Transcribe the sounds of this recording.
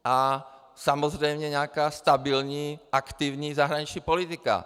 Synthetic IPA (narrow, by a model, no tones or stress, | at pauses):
ʔa | samɔzɾɛjmɲɛɲɛakaːst̪abilɲiʔakt̪iːʊɲizaɦɾaɲit͡ʃɲipɔlit̪ika̰